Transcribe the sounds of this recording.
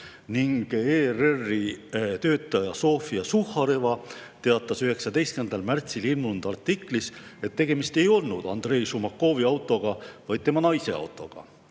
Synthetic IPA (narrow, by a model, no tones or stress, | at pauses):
niŋɡ̥eːrerːit̪ø̞ːt̪ːˑɑjɑso̞ːfiɑsuhːɑɾevɑt̪e̞ɑt̪ːˑɑsyɦe̞ksɑd̪e̞jst̪kend̪̥ɑlmært̪sililmund̪̥ɑrt̪ːˑiklise̞t̪ːe̞ɡ̥e̞mist̪e̞jo̞lnud̪̥ɑ̰nd̪̥re̞jsumɑkːo̞ːviɑwt̪ːˑo̞ɡ̥ɑvɑjd̪̥̚t̪emɑnɑjse̞̰ɑ̰wt̪ːˑo̞̰ɡ̥ɑ̰